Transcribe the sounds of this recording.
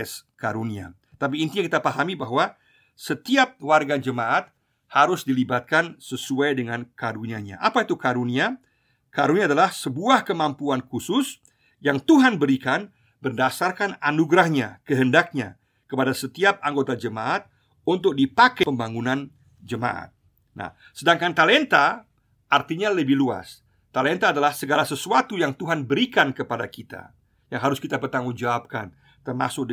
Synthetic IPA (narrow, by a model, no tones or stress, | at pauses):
ɛskaɾunia̰ | ət̪ap̬iːnt̪iɲaŋkit̪apaɦamibaɦwa | sət̪iap̚warɡad͡ʒəmaʔat̪̚ | haɾʊsdilibat̪̚kansəsuajdəŋankaɾuniaɲa̰ʔapait̪ukaɾunia | kaɾuniaːdalahsəbuahkəmampuankusʊs | jaŋt̪uɦanbəɾikan | bərdasarkananuɡɾahɲakəɦəndak̚ɲa̰ | kəpadasət̪iap̚aŋɡot̪ad͡ʒəmaʔat̪̚ | unt̪ʊk̚dipakɛpəmbaŋunan | d͡ʒəma̰ʔa̰t̪̚ | na̰h | sədaŋkant̪alɛnt̪a | ʔart̪iɲaləbɪhlua̰s | t̪alɛnt̪aːdalahsəɡalasəsuat̪ujaŋt̪uɦanbəɾikankəpadakit̪a̰ | jaŋɦaɾʊskit̪apərt̪aŋund͡ʒaap̚ka̰n | t̪ərma̰sʊk̚